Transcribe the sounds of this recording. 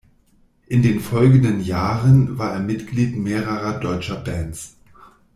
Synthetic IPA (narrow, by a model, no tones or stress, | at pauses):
ʔɪndeːnfɔlɡn̩dənjaːʁənvaːɐʔeːɐmɪtɡ̥liːtmeːʁəʁɐdɔʏt͡ʃɐbɛns